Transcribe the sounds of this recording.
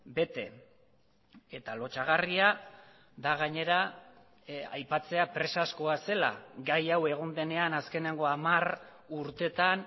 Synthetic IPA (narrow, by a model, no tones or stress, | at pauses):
be̞t̪e̞ | et̪alo̞t͡ʃaɣ̞aria | d̪aɣ̞aɲe̞ɾa | a̰jpat͡se̞apɾe̞sasko̞ase̞la̰ɡajawe̞ɣ̞o̞nd̪e̞ne̞anaske̞ne̞ŋɡo̞amar | uɾt̪e̞t̪an